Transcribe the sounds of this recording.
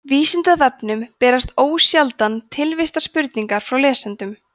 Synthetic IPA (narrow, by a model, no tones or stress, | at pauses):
viːsɪnt̪avɛpnʏmpɛːɾast̪oːwsjalt̪ant̪ʰɪlvɪst̪aspʏɾt̪niŋkaɾ̥fɾawlɛːsant̪ʏm